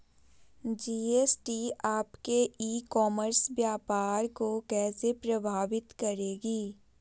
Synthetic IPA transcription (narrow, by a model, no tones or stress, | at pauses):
d͡ʒiːeːsʈiaːpkeiːkɔːməɾsʋjaːpaːɾkokɛːsepɾɐbʱaːʋɪt̪kɐɾeːɡiː